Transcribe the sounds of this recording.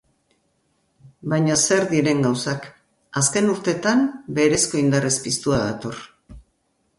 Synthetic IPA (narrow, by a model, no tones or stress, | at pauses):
bajɲaseɾðiɾe̞ŋɡawsak | aske̞nuɾt̪e̞t̪ambe̞ɾe̞sko̞ind̪arespist̪uaðat̪o̞r